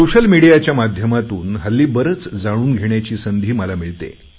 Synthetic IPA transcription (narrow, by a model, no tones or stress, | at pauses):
soɕəlmiɽijat͡ɕjamad̪ʱjəmat̪uːnɦəlːiːbəɾət͡sd͡zaɽ̃uːnɡʱeɳjat͡ɕiːsənd̪ʱiːməlamiɭt̪ḛ